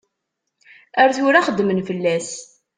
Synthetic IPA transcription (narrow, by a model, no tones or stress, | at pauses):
æɾθʊɾaχəd̪ːmənfəlːæs